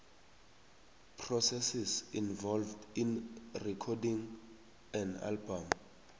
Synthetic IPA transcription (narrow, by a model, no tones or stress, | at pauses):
pʰrɔsɛsisinvɔlvdinrɛkʰɔdĩŋ | ɛ̃na̰lbam